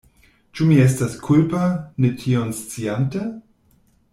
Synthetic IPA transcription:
t͡ʃumies̬taskʰulpanetʰionst͡siante

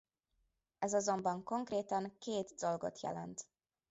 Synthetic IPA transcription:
ɛzɒzo̞mbɒŋko̞ŋkreːt̪ɒŋkeːt̪do̞lɡo̞̰t̪jɛ̰lɛ̰nt̪

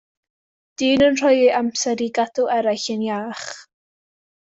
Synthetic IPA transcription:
d̥iːnənr̥ɔjiʔamsɛɾiɡadʊʔɛɾajɬənjaːχ

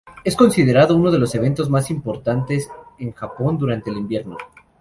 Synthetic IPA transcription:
e̞sko̞nsiðe̞ɾaðo̞uno̞ð̞e̞lo̞se̞β̞e̞nt̪o̞zmasimpo̞ɾt̪ant̪e̞seŋxapo̞nd̪uɾant̪eːlimbje̞ɾno

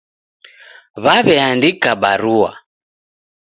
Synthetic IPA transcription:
βaβɛandikabaɾuwa̰

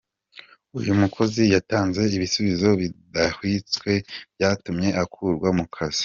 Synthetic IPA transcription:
ujumukʰo̞zijataːnze̞iβisuβizo̞βidahwit͡swe̞b̥jaːtumɲe̞ʔakʰuɾɡwamukʰaz̥i̥

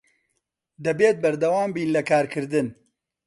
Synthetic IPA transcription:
d̪ɐbeːt̪̚bɐɾd̪ɐwaːmbiːnlɐkaːɾkʰɨɾd̪ɨn

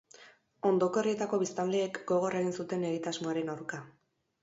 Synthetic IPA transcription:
o̞nd̪o̞ko̞rie̞t̪ako̞βist̪anld̪e̞ːkɡo̞ɣ̞o̞re̞ɣinsut̪e̞ne̞ɣ̞it̪azmo̞aɾe̞nawɾka

